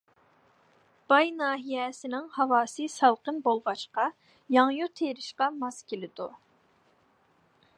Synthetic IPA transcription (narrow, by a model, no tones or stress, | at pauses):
b̥ɑjnɑːɦijɛsɪnɪŋhɑwɑːsɨsɑlˠqənbolˠʁɑʃqɑ | jɑŋjut̪ʰeɾɪʃqɑmɑskʲelɪd̪u